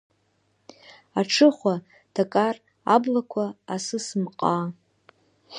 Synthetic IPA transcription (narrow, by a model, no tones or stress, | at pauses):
aʈ͡ʂʰɨχʷa | d̥akʼar | ablakʷʰaasɨsɨmqʼa